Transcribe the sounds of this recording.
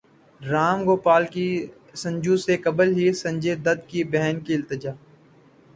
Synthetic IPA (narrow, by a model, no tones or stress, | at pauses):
ɾaːmɡoːpaːlki | sə̃ɲd͡ʒũsekɐbəlɦisɐ̃ɲd͡ʒed̪ɐd̪̚kibɛɦnkiɪlt̪ɪd͡ʒaː